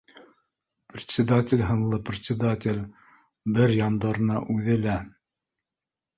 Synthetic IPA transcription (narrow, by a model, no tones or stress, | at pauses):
prʲɪt̪ʲsʲɪd̪atʲɪlʲɦɤ̆nlˠɤprʲɪt̪ʲsʲɪd̪atʲɪlʲ | bɘɾjɑnd̪ɑ̆ɾɤ̆nɑʔʉðɘlæ